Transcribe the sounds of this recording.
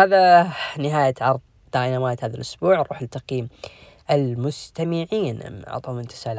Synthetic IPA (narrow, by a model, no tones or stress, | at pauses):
aːðanɪɦaːjaʕɑɾˤðˤ | d̪aːʔɪnawaːjat̪haːðalʔʊsbuːʕɾˤṵːħalt̪aqiːm | ʔɪlmʊst̪amɪʕiːn̰ɑ̰ʕt̪ˤuːmɪnt̪ɪ̥saʕl